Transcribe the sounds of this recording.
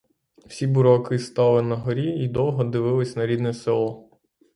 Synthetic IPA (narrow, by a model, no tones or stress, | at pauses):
w̥sʲibʊɾɔkɪst̪ɑlˠɪnɐɦɔɾʲiid̪ɔwɦɔd̪ɪʋɪlˠɪsʲnɐɾʲid̪nɛsɪlˠɔ